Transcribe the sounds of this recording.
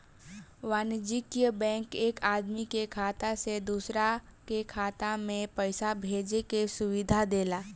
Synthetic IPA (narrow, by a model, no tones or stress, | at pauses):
ʋaːnd͡ʒɪkijəbɛ̃ːŋkeːkaːd̪mikekʰaːt̪ased̪uːsɾakekʰaːt̪amẽpɛɪsabʱeːd͡ʒekesʊʋɪd̪ʱad̪eːlaː